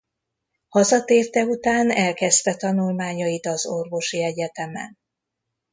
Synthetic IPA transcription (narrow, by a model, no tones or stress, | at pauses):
hɒzɒt̪eːrt̪ɛut̪aːnɛlkɛst̪ɛt̪ɒnulmaːɲɒit̪ɒzo̞rvo̞ʃiɛɟɛt̪ɛmɛ̰n